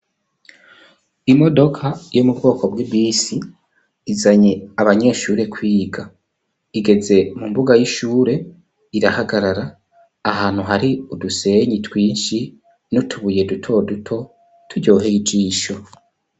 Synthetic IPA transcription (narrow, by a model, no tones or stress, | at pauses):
imo̞do̞kʰajo̞mubɡo̞ːkobwibiːsiː | zaɲeaβaɲe̞ːʃuːɾe̞kwiːɡa | iɡe̞ze̞mumbuɡajiʃuːɾe̞ | iɾahaɡaɾaɾaː | ɦaːn̥huɦaɾiuduse̞ɲitwiːnʃi | nutʰuβuje̞dutʰo̞dutʰo̞ | tʰuɟo̞ːɦeid͡ʒiːʃo̞